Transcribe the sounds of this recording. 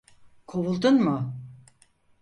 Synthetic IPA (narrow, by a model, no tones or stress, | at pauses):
kʰowulˠd̪unmʊ